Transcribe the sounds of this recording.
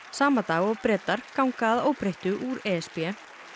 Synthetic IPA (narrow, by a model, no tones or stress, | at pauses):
saːmat̪aːɣɔɣpɾɛːt̪aɾ̥kawŋkaːðoːwpɾejht̪ʏʔuɾɛːɛspɛ